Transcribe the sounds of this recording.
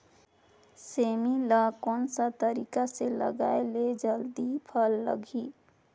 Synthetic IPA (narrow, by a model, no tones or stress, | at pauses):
semiləkonsat̪əɾikaselə̰ɡa̰eled͡ʒəld̪ipʰʌlːə̰ɡʱi